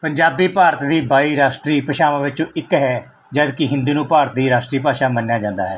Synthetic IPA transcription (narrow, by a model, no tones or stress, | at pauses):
pəɲd͡ʒaːbiːpaːɾət̪d̪iːbaːiːɾaːsʈɾiːpəʃaːʋãːʋɪt͡ʃõːʔɪkɦɛː | d͡ʒəd̪kɪɦɪ̃nd̪iːnũːpaːɾət̪̚d̪iːɾaːsʈɾiːpaːʃaːmənːjaːd͡ʒãːnd̪a̰ːɦɛː